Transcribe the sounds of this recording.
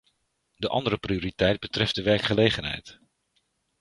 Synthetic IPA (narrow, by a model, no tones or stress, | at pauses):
dəʔɑ̰ndəɾəprioɾitɛjd̚bətrɛft̚dəʋɛɹkχəlejχənɦɛ̰jt